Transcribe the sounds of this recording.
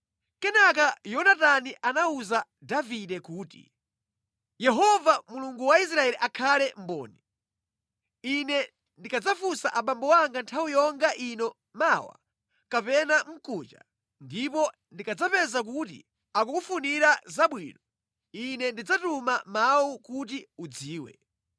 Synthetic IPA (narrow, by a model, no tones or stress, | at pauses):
kɛnak̬ajɔnataniʔanauza | daviɗɛkuːtḭ | jɛɦɔvamuluŋɡuwais̬ɾaɛliʔakʰalɛm̩bɔ̰ːni | inɛ | ndikad͡zafusaʔaɓambɔwaŋɡantʰawijɔŋɡaʔinɔ | mawa̰ | kapɛnam̩kut͡ʃa̰ | ndipɔ | ndikad͡zapɛzak̬utḭ | ak̬ukufuniɾazaɓwḭːnɔ | inɛndid͡zatumamawukut̬iud͡ziːwɛ̰